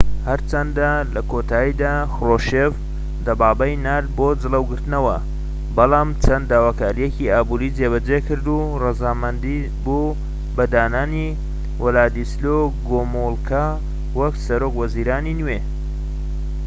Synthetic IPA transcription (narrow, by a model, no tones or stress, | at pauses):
hɐɾt͡ʃʰɐnd̪alɐkʰoːt̪ʰaːid̪aːxroʃef | d̪ɐbaːbɐjnaːlbod͡zɨləwɡɨɾt̪ɨnɐwɐ | bɐlɑːmt͡ʃʰɐnd̪d̪aːwaːkaːɾijeciaːbuɾit͡seːβɐd͡ʒekɨɾd̪u | rɨzaːmɐnd̪i | bu | bɐd̪aːnaːni | wʔʊlaːd̪isloɡomolkʰa | wɐksɐɾokwɐziːɾaːninwe